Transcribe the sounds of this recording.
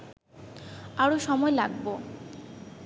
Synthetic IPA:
aɾoʃɔmɔelaɡbo

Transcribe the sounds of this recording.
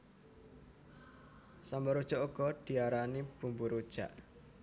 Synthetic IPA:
sambɔɾud̥ʒ̥ɔʔuɡ̥ɔd̪̥i̤aɾanib̥ṳmbuɾud̥ʒ̥a̰ʔ

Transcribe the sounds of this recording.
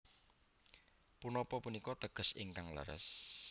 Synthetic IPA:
punɔpɔpunikɔt̪əɡ̥ʊ̤sɪ̰ŋkaŋlə̰ɾə̰s

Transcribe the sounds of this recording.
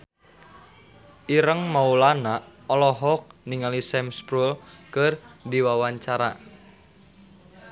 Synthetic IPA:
ʔiɾəŋmaulanaɔlɔɦɔk̚niŋalisɛmspɾulkərdiwawaɲt͡ʃaɾa̰

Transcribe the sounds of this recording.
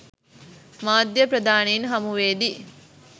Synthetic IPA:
maːd̪jəpɾɐd̪aːninɦɐmuʋeːd̪i

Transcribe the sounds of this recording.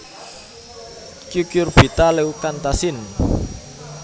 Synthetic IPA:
kjukjʊrb̥i̤t̪alewkant̪asɪn

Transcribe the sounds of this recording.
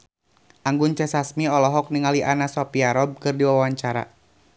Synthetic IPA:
ʔaŋɡʊnt͡ʃɛsasmiɔlɔɦɔk̚niŋaliʔanasɔpiaɾɔb̚kɨrdiwawaɲt͡ʃaɾa̰

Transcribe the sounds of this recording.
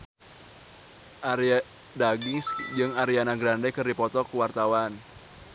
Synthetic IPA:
ʔaɾia | daɡiŋsd͡ʒɨŋaɾianaɡɾandɛkɨrdipɔt̪ɔkuwart̪awan

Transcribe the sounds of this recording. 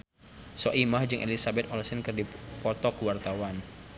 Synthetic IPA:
sɔʔimahd͡ʒɨŋʔḛlisabɛt̪̚ɔlsənkɨrdipɔt̪ɔkwart̪awan

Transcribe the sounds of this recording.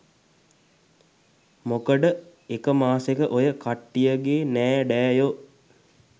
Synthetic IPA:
mokəɖə | ekəmaːsekəʔojəkaʈːijəɡeːnɛːɖɛːjo

